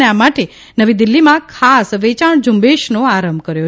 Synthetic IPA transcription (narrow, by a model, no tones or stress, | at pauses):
eamaʈe | nəʋid̪ilːimãkʰasʋet͡ʃaɳd͡ʒumbeʃnoaɾəmbʱkəɾjo